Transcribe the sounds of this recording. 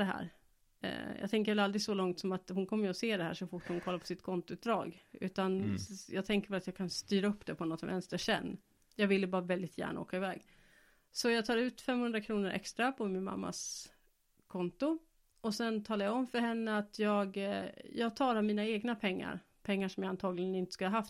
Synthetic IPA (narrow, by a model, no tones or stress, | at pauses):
d̪ɛɦæ̰ːɾ̰ | jɑ̰ɡt̪ʰɛŋk̬əɾvɛlald̪ɾɪɡsɔlɔŋt̪sɔmat̪hʊnkʰɔmːəjɔseːd̪ɛhæ̰ːʂɔfʊʈːhʊnkʰɔlːaɾpʰɔ̥sɪt̪kʰɔnt̪ʊʉːd̪ɾɑ̰ːɡʉ̟̰ːt̪anjɑːɡt̪ʰɛŋkəɾvɛlat̪jɑːɡkʰanst̪yːɾaɵpːd̪ɛpʰɔnɔt̪sɔmvɛ̰nst̪əʂɛ̰nː | jɑɡvɪlːəbɑːɾavɛld̪ɪt̪jæ̰ːɳa̰o̰ːkaɪvɛ̰ːɡ | sɔjɑɡt̪ʰɑːɾʉ̟ːt̪fɛmhɵnd̪ɾakʰɾuːnəɾʔɛ̰kst̪ɾapʰɔmɪnma̰mːa̰s | kʰɔnt̪ʊ | ɔsɛnt̪ʰɑːlajaɔmfœɾɦɛnːəat̪ʰjɑːɡjɑːɡt̪ʰɑːɾhæmiːnaeːɡnapʰɛŋːa̰ɾ | pʰɛŋːaʂɔmjɑɡant̪ʰɑːɡlɪɡənɪnt̪ə̥skɵləhaɦaft̪